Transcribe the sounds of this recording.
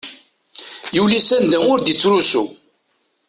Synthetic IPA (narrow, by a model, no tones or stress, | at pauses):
julisænd̪æʊɾd̪it͡sːɾusu